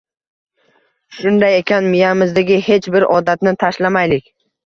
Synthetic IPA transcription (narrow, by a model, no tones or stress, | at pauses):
ʃʊnd̪aje̞kʲʰanmɪjamɪzd̪aɡʲɪhe̞t͡ʃbɪɾɒd̪at̪nɪt̪ʰaʃlamajlɪkʲ